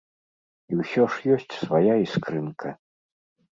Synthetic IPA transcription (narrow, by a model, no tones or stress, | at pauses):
iwsʲɔʂjɔsʲt͡sʲsvajaiskɾɨnkʰɐ